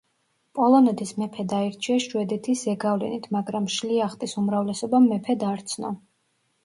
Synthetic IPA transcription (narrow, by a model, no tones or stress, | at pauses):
pʼɔlˠɔnɛt̪ʰismɛpʰɛd̪aiɾt͡ʃʰiaʃwɛd̪ɛt̪ʰisɛɡavlɛ̰nit̪ʰmaɡɾamʃliaχt̪ʼisumɾavlɛsɔbamːɛpʰɛd̪aɾt̪sʰnɔ̰